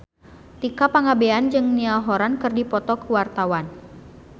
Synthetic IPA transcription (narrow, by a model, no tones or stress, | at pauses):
t̪ikapaŋabeand͡ʒɨŋnialɦɔɾankɨrdipɔt̪ɔkəwart̪awan